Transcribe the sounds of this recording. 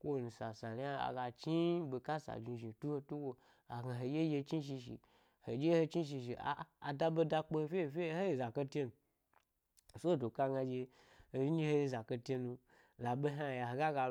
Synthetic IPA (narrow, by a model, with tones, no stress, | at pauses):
kʷo˦˨nu˨sa˨sa˨li˦a˦a̰˨ɡa˧t͡ʃi˦be˧ka˦sa̰˨d͡ʒi˧ʒi˨tu˦ho˧tu˦ɡʷo˧ | a˨ɡa˧ɦo˨je˦je˧t͡ʃi˦ʃ̬i˧ʃḭ˨ | ho˨d͡ʒe˦ho˧t͡ʃi˦ʃ̬i˧ʃ̬i˨a̰ː˨˦˨da˧bo˧da˧k͡po˧ho˧fʲe˦˨fʲe˦ho˦je˨za˨ke˧te˦nu˧˨ | so˦˨do˨ka˧ɡa˧d͡ʒe˧ | ho˧ji˦ɲi˦ho˧˦je˧˦za˨ke˧te˧nu˧ | la˨be˦ɦa˦˨ja˨ɦo˨ɡa˦ɡa˧